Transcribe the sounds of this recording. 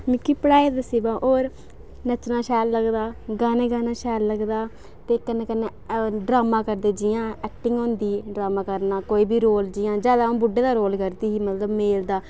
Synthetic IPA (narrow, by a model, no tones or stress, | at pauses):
mɪkːiːpəɽaːeːd̪əsiːbãːʔoːɾ | nət͡ʃnaːʃɛːlləɡd̪aːɡaːneːɡaːnaːʃɛːlːəɡd̪aː | t̪eːkənːeːkənːeɖɾaːmãːkəɾd̪eːd͡ʒɪjãːɛːkʈɪŋɡõːnd̪iːɖɾaːmaːkəɾnaːkoːiːbiːɾoːld͡ʒɪjãːd͡ʒaːd̪aːõːbʊɖːeːd̪aːɾoːlkəɾd̪iːɦiːmət̪ləbmeːld̪aː